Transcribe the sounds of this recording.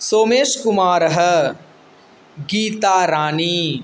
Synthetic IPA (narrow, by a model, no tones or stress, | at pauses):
soːmeːʃkumaːɾɐɦə̆ | ɡiːt̪aːɾaːniː